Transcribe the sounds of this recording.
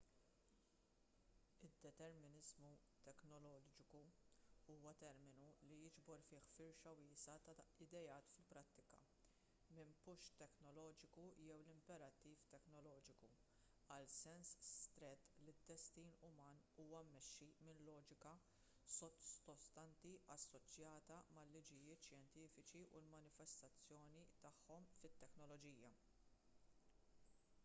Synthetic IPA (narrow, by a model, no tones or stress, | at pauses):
ɪd̪ːɛt̪ɛɾmɪnɪzmu | t̪ɛknɔlɔːd͡ʒɪkuuːwɐt̪ɛɾmɪnulijɪd͡ʒbɔɾfɪːħfɪɾʃɐwɪːsɐt̪ɐɪd̪ɛjɐːt̪fɪlpɾɐt̪ːɪkɐ̰ | mɪmpʊʃt̪ɛknɔlɔːd͡ʒɪkujɛwlɪmpɛɾɐt̪ːiːft̪ɛknɔlɔːd͡ʒɪku | ɐlsɛnsst̪ɾɛt̪ːlid̪ːɛst̪iːnʊmɐːnuːwɐmːɛʃːimɪnlɔːd͡ʒɪkɐ | sɔɔst̪ɐnt̪iʔɐsːɔt͡ʃjɐːt̪ɐmɐlːɪd͡ʒɪjɪːt̪ʃjɛnt̪iːfɪt͡ʃiʔulmɐnɪfɛst̪ɐt͡sːjɔːnit̪ɐħːɔmfɪt̪ːɛknɔlɔd͡ʒiːjɐ